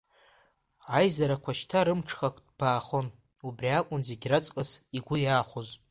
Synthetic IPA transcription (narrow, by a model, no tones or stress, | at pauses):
ajzaɾakʷʰaʃtʰaɾɨmʈ͡ʂʰχakʷʰʼdb̥aːχon | ubriakʷʼʊnzeɡʲrat͡sʼkʼasiɡʷʊjaːχʷoz